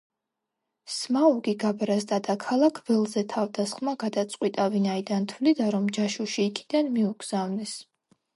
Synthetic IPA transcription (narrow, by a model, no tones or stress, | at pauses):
smauɡiɡabɾazd̪ad̪akʰalˠakʰvɛlˠzɛt̪ʰavd̪asχmaɡad̪at̪sʼqʼwit̪ʼavinaid̪ant̪ʰvlid̪aɾɔmd͡ʒaʃuʃiːkʰid̪anmiuɡz̥avnɛs